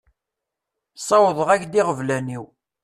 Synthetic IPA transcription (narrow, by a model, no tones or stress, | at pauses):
sˤɑwəðˤəʁæçd̪iʁəvlæniw